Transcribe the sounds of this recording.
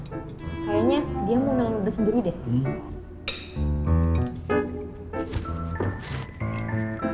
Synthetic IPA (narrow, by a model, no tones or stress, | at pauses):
kaɾaɲadiamunaŋlubəsəndiɾidɛh